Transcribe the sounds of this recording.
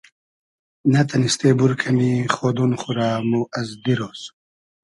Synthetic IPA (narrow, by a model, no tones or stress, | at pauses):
nɐt̪ʰɐnist̪eːbuɾkʰɐmixoːd̪unχuɾaːmuʔɐzd̪iɾoːs